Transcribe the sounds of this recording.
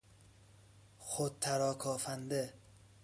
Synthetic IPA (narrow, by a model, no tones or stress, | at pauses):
xot̪̚t̪ʰːæɾɒːkʰɒːfænd̪e